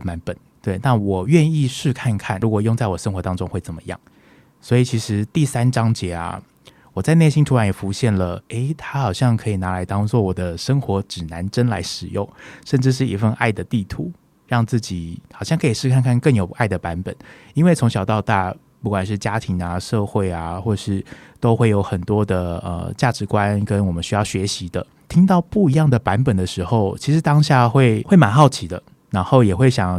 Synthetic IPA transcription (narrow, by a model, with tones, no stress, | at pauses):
ma˧˦npə˨˩˦n | t̪we˥˩ɪna˥˩wɔ˨˩ɥɛ˥˧ni˥˧ʂɻ̩˥˧kʰa˥˧nkʰa˥˩nɻu˧˥kwɔ˨˩jo˥˧ŋt͡sa˥˩ɪwɔ˨˩ʂə˥nxwɔ˧˥t̪ɑ˥ŋʈ͡ʂʊ˥ŋxwe˥˩ɪt͡sə˨˩mə̰˦jɑ̰˥˩ŋ | swɔ˧˥i˨˩t͡ɕʰi˧˥ʂɻ̩˧˥t̪i˥˩sa˥nʈ͡ʂɑ˥ŋt͡ɕjɛ˧˥a̰˧ | wɔ˨˩t͡sa˥˧ɪne˥˩ɪɕi˥nt̪ʰu˥ɻa˧˥njɛ˨˩fu˧˥ɕjɛ˥˩nlə˩e˥ɪt̪ʰa˥xɑ˨˩ʊɕjɑ˥˩ŋkʰɤ˧˥i˨˩na˧˥la˧˥ɪt̪ɑ˥ŋt͡swɔ˥˩wɔ˨˩d̪ə˦ʂə˥ŋxwɔ˧˥ʈ͡ʂɻ̩˨˩na˧˦˥nʈ͡ʂə˥nla̰˧˥ɪʂɻ̩˨˩jʊ˥˩ŋʂə˥˧nʈ͡ʂɻ̩˥˧ʂ̬ɻ̩˥˩ḭ˧˥fə˥˧nʔa˥˩ɪd̪ə˩t̪i˥˩t̪ʰu˨˧˥ | ɻɑ˥˧ŋt͡sɹ̩˥˩t͡ɕi˨˩˦xɑ˨˩ʊɕjɑ˥˩ŋkʰɤ˧˥i˨˩ʂɻ̩˥˧kʰa˥˧nkʰa˥˧nkə˥˩ŋjo˨˩ʊʔa˥˩ɪd̪ə˩pa˧˥npə̰˨˩˦n | i˥nwe˥˩ɪt͡sʰʊ˧˥ŋɕjɑ˨˩ʊt̪ɑ˥˧ʊt̪a̰˥˩ | pu˥˩kwa˨˩nʂ̬ɻ̩˥˩t͡ɕja˥t̪ʰi˧˥ŋa˨ʂɤ˥˧xwe˥˩ɪa˨˩xwɔ˥˩˨ʂɻ̩˥˩t̪o˥ʊxwe˥˩ɪjo˧˥ʊxə˨˩nt̪wɔ˥d̪ə˨ə̰˧˩t͡ɕja˥˩ʈ͡ʂɻ̩˧˥kwa˦˥nkə˦˥nwɔ˨˩mə˦nɕy˥jɑ˥˩ʊɕɥɛ˧˥ɕi˧˥d̪ə̰˧ | t̪ʰi˥ŋt̪ɑ˥˧ʊpu˥˩i˧˥jɑ˥˩ŋd̪ə˩pa˧˦˥npə˨˩nd̪ə˩ʂɻ̩˧˥xo˥˩ʊt͡ɕʰi˧˥ʂ̬ɻ̩˧˥t̪ɑ˥ŋɕja˥˧xwe˥˩ɪxwe˥˩ɪma˧˥nxɑ˥˩ʊt͡ɕʰi˧˥d̪ə˧ | na˧˥nxo˥˩ʊjɛ˨˩xwe˥˩ɪɕjɑ˨˩˦ŋ